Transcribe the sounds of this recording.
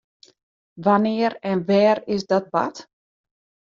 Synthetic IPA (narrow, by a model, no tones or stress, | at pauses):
ʋanɪəɾɛnʋɛːɾɪsdɔt̚ba̰t